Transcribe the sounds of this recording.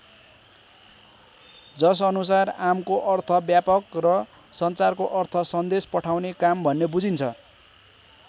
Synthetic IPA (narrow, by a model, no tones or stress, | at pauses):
d͡zʌs̬ʌnusaramkoʔʌrt̪ʰʌbjapʌkrʌ | sʌnt͡sarkoʔʌrt̪ʰʌsʌnd̪espʌʈʰawnekambʱʌnːebud͡zint͡sʰʌ